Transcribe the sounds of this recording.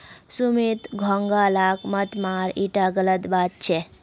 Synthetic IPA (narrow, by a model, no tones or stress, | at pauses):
sumit̪ɡʱɔŋɡalakmət̪maɾiʈaɡələt̪bat̪̚t͡ʃʰe